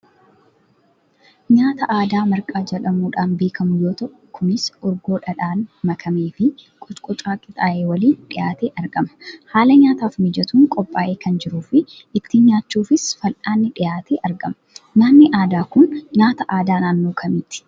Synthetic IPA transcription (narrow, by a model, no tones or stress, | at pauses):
ɲaːt̪ɐʔaːd̪aːmɐɾkʼaːd͡ʒɛᶑɐmuːᶑaːnbe̞ːkʰɐmʊjoːt̪ɐʔʊkʰʊnɪsʔɔɾɡo̞ːᶑɐᶑaːnmɐkʰɐmeːfɪkʼɔt͡ʃkʼɔt͡ʃʼaːkʼɪt̪ʼaːʔeːwɐliːnᶑɪjaːt̪eːʔɐɾɡɐmɐ̥haːlɐɲaːt̪aːfmɪd͡ʒɛt̪uːŋkʼɔpʼːaːʔeːkʰɐnd͡ʒɪɾuːfɪʔɪt̪ːiɲaːt͡ʃːuːfɪsfɐlʔaːnːɪᶑɪjaːt̪eːʔɐɾɡɐmɐ̥naːnːɪʔaːd̪aːkʊnɲaːt̪ɐʔaːd̪aːnaːnːo̞ːkʰɐmiːt̪ɪ̥